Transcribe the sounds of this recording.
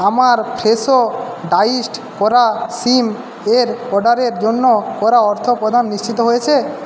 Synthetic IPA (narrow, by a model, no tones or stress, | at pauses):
amaɾpʰɾeso | ɖaisʈkɔɾasim | eɾɔɖaɾeɾd͡ʑonːokɔɾaɔɾt̪ʰopɾod̪ʱanːiʃt͡ɕit̪oɦojet͡ɕʰe